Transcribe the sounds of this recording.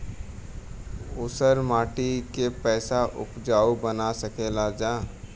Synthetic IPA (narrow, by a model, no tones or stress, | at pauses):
ʊsəɾmaːʈikepɛːsaʔʊ̰pd͡ʒaːubənasəkʰeːlad͡ʒãː